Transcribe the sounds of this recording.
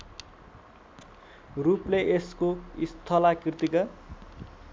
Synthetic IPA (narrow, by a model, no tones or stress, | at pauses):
rupleʔeskoist̪ʰʌlakirt̪ikʌ